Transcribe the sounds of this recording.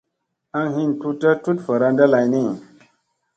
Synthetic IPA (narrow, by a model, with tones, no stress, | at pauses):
a˦ŋɦi˦ntu˦ta˦tu˦tfə˨ɾa˦nda˦la˨jni˦